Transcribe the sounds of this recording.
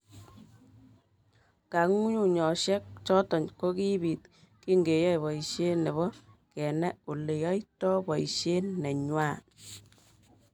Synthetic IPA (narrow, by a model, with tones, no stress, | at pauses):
ka˨ŋu˦ɲu˦˨ɲɔ˨ʃɛ˦k̚t͡ʃɔ˦tɔ˨ɲko˦ki˦bi˨t | ki˦ŋɡe˨jɔ˦jbɔ˨i˨ʃe˦ne˨βɔ˦ | kɛ˨nɛ˦o˨le˨jɔ˦i˦tɔ˦bɔ˨ḭ˨ʃe˦nɛ˨ɲwaː˦˨